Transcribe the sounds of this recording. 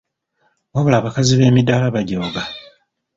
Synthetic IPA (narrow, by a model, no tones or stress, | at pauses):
waβulaːβakaziβe̞ːmidaːlaβaɟoːɡa